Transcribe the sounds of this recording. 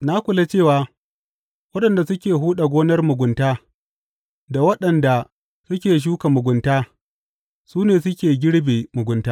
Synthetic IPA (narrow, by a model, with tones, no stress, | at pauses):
na˦kʷʊ˨la˦t͡ʃeː˦˨waː˨ | wɐ˦ɗɐ˨nda˨sʊ˦kʲeː˨ɦuː˦ɗa˨ɡʷoː˦nɐ˦rmʊ˨ɡʷʊ˨ntaː˦ | da˨wɐ˦ɗɐ˨nda˨ | sʊ˦kʲeː˨ʃ̬uː˦ka˨mʊ˨ɡʷʊ˨ntaː˦ | suː˦neː˨sʊ˦kʲeː˨ɡʲɪ˦ɽbeː˨mʊ˨ɡʷʊ˨ntaː˦